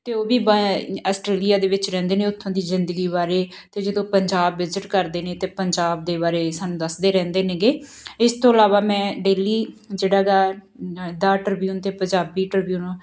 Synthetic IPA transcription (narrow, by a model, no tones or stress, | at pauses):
t̪eːoːbiːbəːsʈɾeːlijaːd̪eːʋɪt͡ʃɾɛ̃ːnd̪eːnẽːʊt̪ʰːõːd̪iːzɪnd̪əɡiːbaːɾeː | t̪eːd͡ʒəd̪õːpəɲd͡ʒaːbːɪzəʈkəɾd̪eːnẽːt̪eːpəɲd͡ʒaːb̚d̪eːβaːɾeːsaːnũːd̪əsd̪eːɾɛ̃ːnd̪eːnẽːɡeː | ɪst̪ʰõːəlaːʋaːmɛ̃ːɖeːliːd͡ʒeːɽaːɡaː | d̪aːʈəɾbjuːnt̪eːpə̃ɲd͡ʒaːbiːʈəɾbjuːnː